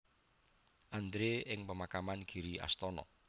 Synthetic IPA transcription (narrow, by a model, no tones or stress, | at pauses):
ʔand̪ɾeɪŋpəmakamanɡ̥iɾia̰st̪ɔnɔ̰